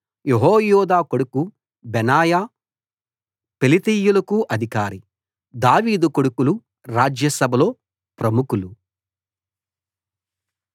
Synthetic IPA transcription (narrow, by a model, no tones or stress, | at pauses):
jeɦoːjɔːd̪aːkoɽuku | bɛnaːjaː | pelit̪ijːulɐkuʔɐd̪ʱikaːɾi | d̪aːʋiːd̪ukoɽukulu | ɾaːd͡ʒjɐsɐbʱɐlo̞ː | pɾɐmukulu